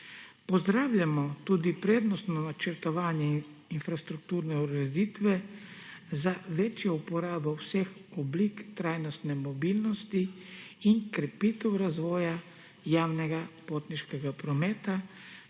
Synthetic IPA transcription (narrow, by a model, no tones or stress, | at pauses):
pɔzd̪ɾaːwlʲjamɔt̪ud̪ipɾeːd̪nɔst̪nɔnat͡ʃɛɾt̪ɔʋaːnjɛinfɾast̪ɾuk̚t̪uːɾnɛuɾɾɛd̪iːt̪ʋɛ | zaʋɛːt͡ʃjɔupɔɾaːbɔwsɛxɔblikt̪ɾajnɔst̪nɛmɔbiːlnɔst̪iinkɾɛpit̪ɛwɾazʋɔːja | jaːwnɛɡapoːt̪niʃkɛɡapɾɔmɛːt̪a